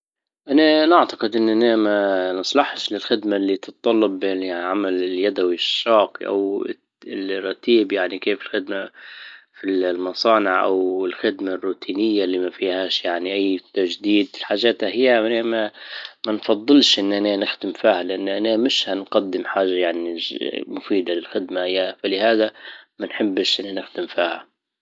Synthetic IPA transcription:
ʔananaʕt̪ɑqɪd̪ʔɪnːʔanamanɨsˤlɑħʃlɪlxɪd̪malːit̪ɨt̪̚ˤːɑlːɑbːɪnʕamalɪljad̪awiʃːɑːqʔa̰w | ɪlrˤːɑt̪iːbjaʕnikeːfɪlxɪd̪ma | filmɑsˤɑːnɪʕʔa̰wɪlxɪd̪marːuːt̪ʰiːnɪjːalːimafiːhaːʃjaʕniʔajːt̪ːaʒd̪iːd̪ɪlħaːʒaːt̪hahɪjːamanamamanfɑðˤːɨlʃʔɪnːʔananɪxd̪ɪmfiːhalɪʔanːʔanamɪʃhanqad̪ːɪmħaːʒajaʕnimʊfiːd̪alɪlxɪd̪maʔjːafalɪhaːðamanħɪbːʃʔɪnːanɪxd̪ɪmfiːha̰

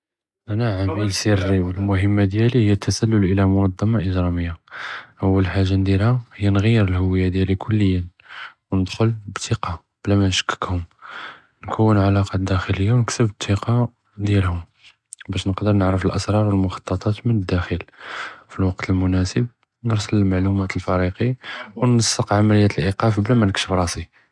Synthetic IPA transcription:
ʔænaʕamilsiɾːiwəlmʊhəmːad̪jælihəjːæt̪ʰːæsælːʊlʔəlæmʊnɑd̪ˤːɑmɑʔəʒɾˤɑməjːaʔəwːəlħaʒːand̪ilhahəjːænɣəjːəɾəlhʊwəjːad̪jælikʰʊlːəjːən | wnəd̪xʊlbt̪ʰːiqɑ | b̥læmænʃə̥kːə̥khʊm | nkʰuwːənʕalɑqɑtd̪æxələjːawnəksəbt̪ʰːiqɑ | d̪jælhʊm | bæʃnəqd̪əɾˤnəʕɾəfəlʔəsɾˤɑɾˤwəlmʊxɑ̥t̪ˤːɑt̪ˤɑt̪mənəd̪ːæxilfilwɑqt̪əlmʊnæsəb̚ | nəɾˤsələlmaʕlumæt̪əlfɑɾiqiwnəsˤːəqʕamələjːæt̪əlʔiqɑfblæmænəkʃəfɾˤɑsi

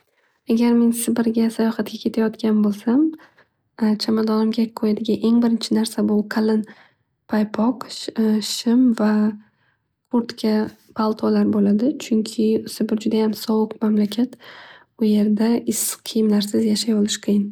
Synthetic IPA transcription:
aɡʲaɾmeŋsɪbɪɾɡʲasajɒχɑt̪̚ɡʲakʲʰe̞t̪ʰajɒt̪kʲanbolˠsam | t͡ʃʰamad̪ɒnɪmɡʲaqʰojad̪ɪɡʲaʔe̞ŋbɪɾɪnt͡ʃʰɪnaɾsabʊqʰalɪn | pʰajpʰɒqʃɪmva | kʰʊɾt̪kʲʰa | pʰalˠt̪ʰɒlaɾbolad̪ɪt͡ʃʰʊŋkʲʰɪsɪbɪɾd͡ʒʊd̪ajamsɒwʊqmamlakʲʰat̪ | ʊje̞ɾd̪aɪsqʰɨjɪmlaɾsɪzjaʃajɒlˠɪʃqʰɨjɪn

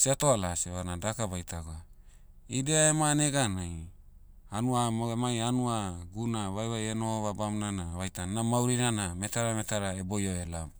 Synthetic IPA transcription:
siatoalaseβanadakaβajtaɡoa | ideaemaneɡanaj | anuamoemajanuaɡunaβajβajenoβabamnanaβajtannamawɾinaname̞taɾame̞taɾaebojoelam

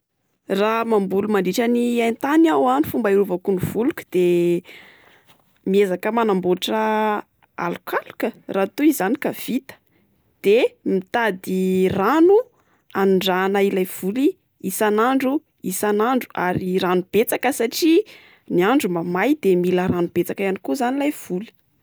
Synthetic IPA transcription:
ramambulumaɳɖ͡ʐiʈ͡ʂəniajnt̪anawanifumbaiɾuvakunuv̥uluku̥d̪̥e | miezakəmanamboʈ͡ʂə | a̰lukʰalu̥kərat̪uizanikav̥it̪ə̥ | d̪̥emit̪ad̪iranu | anuɳɖ͡ʐaːnailajv̥uli | isanaɳɖ͡ʐu | isanaɳɖ͡ʐuʔa̰ɾiɾanub̥et͡sakəsaʈ͡ʂi | niaɳɖ͡ʐumbamajd̪emiləɾanub̥et͡sakajanikuzanilajv̥uli̥

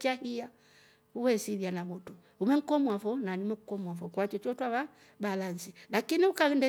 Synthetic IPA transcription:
t͡ʃahia | uwɛsiɾianamɔtu | umɛŋ̩kɔmwafɔnanimɛkukɔmwafɔkwat͡ʃɔt͡ʃɔtwaβa | balansilakiniukaɛndɛ

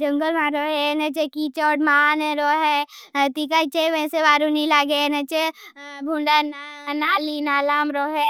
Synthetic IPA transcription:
d͡ʒə̃ŋɡəlmãɾoːɦenɐt͡ʃekit͡ʃɔːʈmaneɾoːɦet̪ikat͡ʃeʋẽseʋaːɾunĩlaːɡenɐt͡ʃebʱuɳɖanaːlinaːlaːmɾoːɦɛ

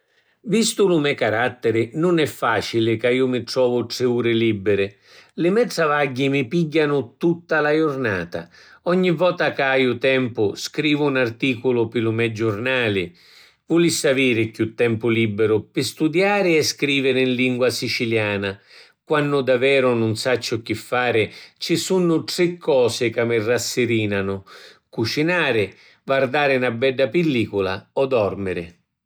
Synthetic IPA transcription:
vist̪ʊlʊmɛkaɾat̪ːɪɾɪnʊnɛfːaːt͡ʃilɪkaiːʊmɪt̪ɾɔːvʊʈɾɪuːɾɪlibːɪɾɪ | lɪmɛd̪zavaɟːimɪpiɟːanʊt̪ut̪ːalajʊrna̰ːt̪a̰ɔɲːivɔːt̪akaajʊt̪ɛmpʊskɾiːvʊːnart̪iːkʊlʊpɪlʊmɛd͡ʒʊrnaːlɪ | vulisaviːɾɪkut̪ːɛmpʊlibːɪɾʊpɪst̪ud̪jaːɾɪɛskɾiːvɪɾɪinliŋɡwasit͡ʃiljaːna | kwanːʊd̪avɛːɾʊnʊnsat͡ʃːʊk̟ɪfːaːɾɪt͡ʃisunːʊʈɾɪkʰːɔːsɪkamːɪrːasːɪɾiːnanʊkut͡ʃinaːɾɪ | vard̪aːɾɪnabːɛɖːapɪlːiːkʊla̰ɔd̪ɔrmɪɾɪ̰

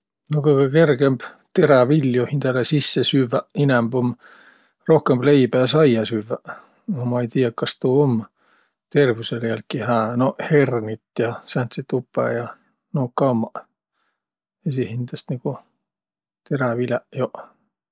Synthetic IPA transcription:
nokuikɑkerkemb | t̪eræʋiljohint̪ælesisːesyʋːæinæmbom | rohkemb̥leipæɑsɑijɑsyʋːæ | omɑit̪iːækkɑst̪uːom | t̪erʋyseleælkːihæːnohernit̪jɑsænt̪sit̪upːæ̰ːjɑ | nokɑumːɑ | esihint̪æst̪niku | t̪eræʋilæʔjoʔ

